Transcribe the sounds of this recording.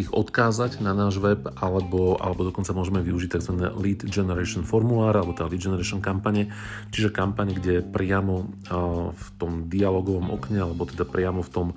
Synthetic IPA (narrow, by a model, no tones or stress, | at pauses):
iɣɔt̪kaːzaɟnanaːʒʋɛbʔalɛbɔa̰lɛbɔd̪ɔkɔnt͡samʊɔʒɛmɛʋiuʒic̚t̪aɡzʋanɛ̰liːd̪d͡ʒɛnɛɾɛʃɔnfɔɾmulaːɾalɛbɔt̪ɛad̪alid̪d͡ʒɛnɛɾɛʃɔnkampaɲɛ | t͡ʃiʒɛkampaɲɡɟɛɛpɾɪamɔ | ft̪ɔmd̪ialɔːɡɔʋɔmɔ̰kɲɛalɛbɔt̪ɛd̪apɾɪamɔft̪ɔm